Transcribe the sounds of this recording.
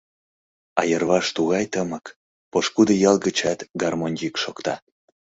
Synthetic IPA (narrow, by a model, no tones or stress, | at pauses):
ɑjərβɑʃt̪uɣɑjt̪əmək | poʃkud̪əjɑlˠɣət͡ɕɑt̪ɡɑrmonʲikʃokt̪ɑ